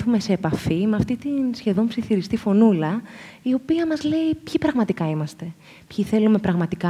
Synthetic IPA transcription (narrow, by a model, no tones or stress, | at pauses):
θume̞se̞ːpɐfimeɐft̪it̪insçe̞ðo̞npsiθiɾist̪ifo̞nulɐio̞piɐmɐzle̞ipçipɾɐɣmɐt̪ikɐimɐst̪e̞ | pçiθe̞lume̞pɾɐɣmɐt̪ikɐ